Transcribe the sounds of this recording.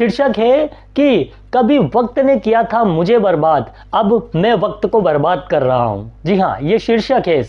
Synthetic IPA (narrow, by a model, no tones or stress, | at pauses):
ʃɪɾʃəkɦɛki | kɐbʱiʋɐk̚t̪nekijat̪ʰamʊd͡ʒʱebɐɾbaːd̪ | ɐbmɛ̃ːʋɐk̚t̪kobɐɾbaːd̪̚kɐɾːɐɦa̰ɦṵ̃ːd͡ʒiɦã̰ːjeʃɪɾʃəkɦɛs